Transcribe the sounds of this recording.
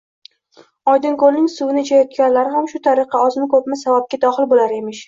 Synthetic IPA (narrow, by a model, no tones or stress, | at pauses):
ɒjd̪ɪnkolnɪŋsʊvɪnɪd͡ʒʰajɒt̪kʲanlaɾɪɦamʃʊt̪ʰaɾɨqɑɒzmɪkʰopmɪsavap̚ɡʲad̪ɒχɪlbolaɾe̞mɪʃ